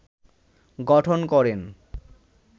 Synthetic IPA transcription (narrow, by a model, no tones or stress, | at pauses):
ɡɔʈʰonkɔɾen